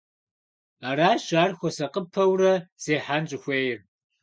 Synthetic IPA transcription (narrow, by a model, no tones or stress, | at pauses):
aːraːɕaːrxʷɔsɐqəpʰɐwrɐz̥eːħanɕʼɪxʷeːjɪr